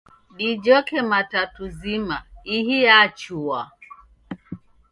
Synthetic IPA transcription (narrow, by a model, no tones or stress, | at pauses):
ɗid͡ʒɔkɛmatatuzimaihiat͡ʃua